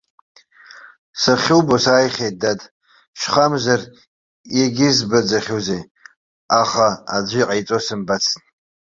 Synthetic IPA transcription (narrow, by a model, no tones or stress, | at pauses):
saχʲɪwbosaːjχʲejt̚datʼ | ʃʷχamzar | jaɡʲɪzbad͡zaχʲuzej | aχaa̰d͡ʒʷijqʼajt͡sʼosɨmbat͡sʰn